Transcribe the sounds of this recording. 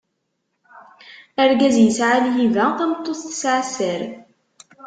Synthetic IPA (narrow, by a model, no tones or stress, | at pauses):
æɾɡæzjəsʕaljivæθæmət̪ˤːoθθə̥sʕasəɾ